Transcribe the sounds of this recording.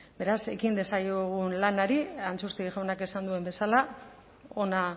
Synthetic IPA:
be̞ɾase̞̰kind̪e̞sajoɣunlanaɾiant͡susk̪iɾiʝawnake̞sand̪ue̞mbe̞sala | o̞na

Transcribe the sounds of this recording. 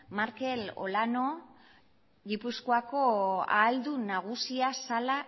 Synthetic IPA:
maɾke̞lo̞̰lano̞ | ɣipuskoako̞a̰ːld̪unaɣ̞usiasala

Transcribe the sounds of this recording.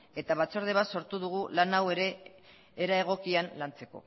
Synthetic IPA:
e̞t̪aβat͡so̞ɾð̞e̞β̞aso̞ɾt̪uðuɣ̞ulanawe̞ɾe̞ː | ɾae̞ɣ̞o̞kianlant͡se̞ko̞̰

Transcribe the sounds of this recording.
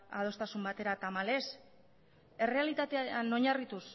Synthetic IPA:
a̰ð̞o̞st̪asumbat̪e̞ɾat̪amale̞s | e̞re̞alit̪at̪eano̞ɲarit̪us

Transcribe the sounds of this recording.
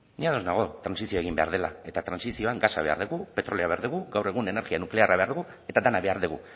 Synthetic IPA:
niaðo̞znaɣ̞o̞t̪ɾansisio̞eɣimbe̞a̰ɾð̞e̞lae̞t̪at̪ɾansisio̞aŋɡasaβe̞a̰ɾðuɣupe̞t̪ɾo̞leaβe̞aɾðuɣuɡawre̞ɣune̞ne̞ɾɣianukle̞aɾaβe̞aɾðuɣu | e̞t̪ad̪anaβe̞aɾðuɣṵ

